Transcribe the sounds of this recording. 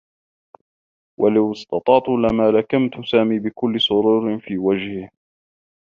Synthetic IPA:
wʔalawɪst̪ɑt̪ˤɑːt̪ˤuːlamaːlakamt̪ʊsaːmiːbɪkʊlːɪsˤʊɾuːɾɪnfiːwad͡ʒhɪ

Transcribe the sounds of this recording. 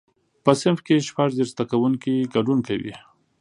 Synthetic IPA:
pəsɪnfkeʃpaʐzeɾst̪akawuŋkiɡaɖunkawḭ

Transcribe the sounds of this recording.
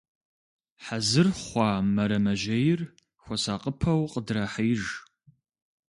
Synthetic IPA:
ħazɨrχʷɑːmɐɾɐmɐʒɐjɪr | xʷɔsaːqʼəpʰɐwqʼədrɐħiːʒ

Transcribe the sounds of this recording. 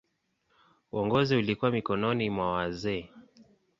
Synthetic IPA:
ṵɔŋɡɔziulikuwamikɔnɔnimwawazɛː

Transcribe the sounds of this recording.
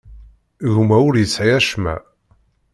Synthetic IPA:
ɣumæʊɾjəsːʕiæʃmæ̰

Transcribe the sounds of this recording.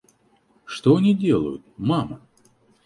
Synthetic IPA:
ʂt̪oɐnʲidʲelˠə̰jʊt̪̚mamə

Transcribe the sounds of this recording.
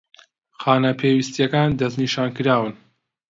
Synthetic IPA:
xaːnɐpʰewist̪jɛkaːnd̪ɐzniʃaːnkɨɾaːwɨn

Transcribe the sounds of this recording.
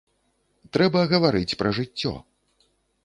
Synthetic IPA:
t̪ɾɛbɐɣɐvaɾɨt͡sʲpɾʔɐʐɨt͡sʲːɔ̰

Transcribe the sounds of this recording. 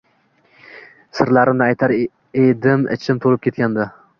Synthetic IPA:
sɨɾlaɾɪnnɪɛjt̪ʰaɾ | ed̪ɪmɪ̰t͡ʃʰɪmt̪ʰolˠɨp̚kʲet̪̚kʲʰand̪ɪ

